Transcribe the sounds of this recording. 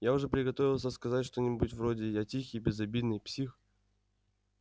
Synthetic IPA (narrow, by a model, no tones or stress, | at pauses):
jaʊʐɛpɾʲɪɡɐt̪o̞vʲɪlˠsʲəskɐzatʲʂt̪onʲɪbutʲvɾodʲɪjatʲixʲɪjbʲɪzɐbʲid̪nɨjpsʲix